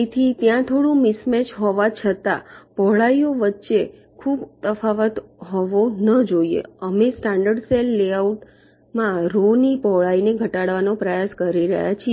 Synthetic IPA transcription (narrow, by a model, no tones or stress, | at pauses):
it̪ʰit̪jãt̪ʰoɽũmɪsmɛt͡ʃʰɦɔʋat͡ʃʰət̪a̰pɔɦɭaioʋətːʃe | kʰubt̪əfaʋət̪ɦɔʋonəd͡ʒoiḛəmesʈaɳɖəɖselːeauʈ | mãɾonipɔɦɭaineɡʱəʈaɽʋanopɾəjaskəɾiɾə̰ɦja̰t͡ʃʰi